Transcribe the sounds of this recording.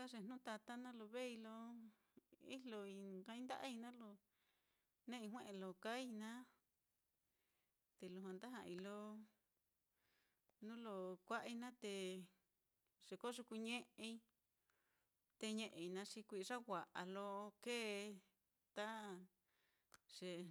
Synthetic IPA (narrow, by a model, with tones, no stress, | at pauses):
ka˦ʐe˧n̥ũ˦t̪a˧t̪a˦nã˦lo˧βe˦i˧lo˧ | ḭ˦lo˧ĩ˧˨˧kã˧ĩ˦d̪a˦ʔa˦i˧nã˦lo˧ | nẽ˦ĩ˧ɦwẽ˦ʔẽ˧lo˨ka˦i˧nã˦ | t̪e˨lu˧ɦã˧nd̪a˦ɦã̰˧i˧lo˧ | nũ˦lo˧kʷa˦ʔi˧nã˦t̪e˧ | ʐ̥e˨ko˦ʂu˧ku˧ɲẽ˦ʔe˧i˧ | t̪e˧ɲẽ˧ʔe˨i˧nã˧ʂi˧kʷi˧ʂa˦wʷa˨ʔa˨lo˧keː˦˧ | t̪a˦ | ʐ̥e˨